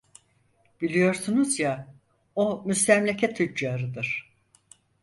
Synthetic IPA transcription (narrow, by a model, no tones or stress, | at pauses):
b̥ilʲijo̞ɾsunuzja | omyst̪ʰæmlʲecʰɛt̪ʰyd͡ʒd͡ʒaːɾɯd̪ɯɾ̥